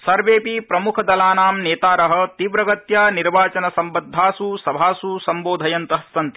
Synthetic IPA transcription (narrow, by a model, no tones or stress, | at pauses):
sɐɾʋeːpipɾɐmukʰɐd̪ɐlaːnaːmneːt̪aːɾɐɦɐ̆t̪iʋɾɐɡɐt̪jaːniɾʋaːt͡ʃɐnɐsɐmbɐd̪ʱːaːsusɐbʱaːsusɐmboːd̪ʱɐjɐnt̪ɐɦɐsːɐnt̪i̥